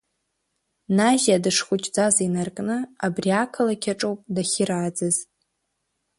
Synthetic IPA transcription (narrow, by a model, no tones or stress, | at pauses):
naʒadɨʂχʷʊt͡ʃʼd͡zazainarkʼnɨabriakʰɨlakʲʰaʈ͡ʂʼowpʼdaχʲɪraːd͡zɨz